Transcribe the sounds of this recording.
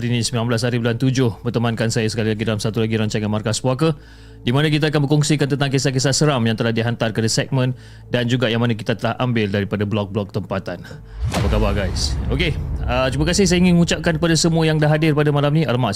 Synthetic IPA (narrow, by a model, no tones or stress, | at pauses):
aɾinisəmbilanmblashaɾibulant̪ud͡ʒʊhpərt̪əmankansajasə̥kalilaɡidalamsat̪ulaɡiɾaɲt͡ʃaŋanmarkaspwakə | dimanãk̬it̪̬aːkanbəkɔŋsikant̪ənt̪aŋkesak̬esasəɾamjaŋt̪əlahdiɦant̪arkəadasɛk̚mə̃n | dand͡ʒuɡaʔjaŋmanak̬it̪at̪əlahʔa̰mbɪldaɾipadablɔk̚blɔk̚t̪əmpat̪an | apakabaɡajsokeət̪umakasɪhsajaiŋɪnŋũt͡ʃap̚kankəpadasəmuəjaŋdaɦadɪrpadamalamnialma